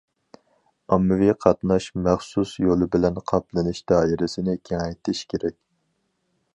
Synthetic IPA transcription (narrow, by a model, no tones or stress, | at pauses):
ɑmːɨviqʰɑt̪nɑʃmɛχsusjolˠɨbɪlɛnqʰɑplˠɨnɨʃd̪̥ɑːiɾɪsɪnɪkʲʰeŋɛjt̪ʰɪʃkʲʰeɾɛkʲ